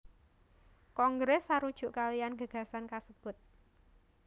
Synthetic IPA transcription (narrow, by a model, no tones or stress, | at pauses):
kɔŋɡɾɛsːaɾud̥ʒ̥ṳʔkalijanɡ̥a̤ɡ̥a̤sankasəb̥ʊt̪̚